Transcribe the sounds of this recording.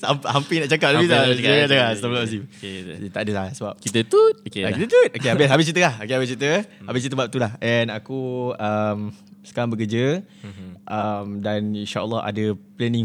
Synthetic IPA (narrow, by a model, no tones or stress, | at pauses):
amphampinaʔt͡ʃakap̚labit̪aakaʔdaasabəlɔʔsit̪aʔadəlahsəbap̚kit̪ət̪ut̪okeakit̪ət̪ut̪̚ʔokeabɪsɦabɪst͡ʃit̪əlahokeɦabɪs̬t͡ʃit̪əhabɪst͡ʃit̪əbap̚t̪ulahʔɛnakuəmsə̥kaɾaŋbəkəd͡ʒə | ʔəmdaninʃaʔə̰lːɔa̰dəplɛnĩŋ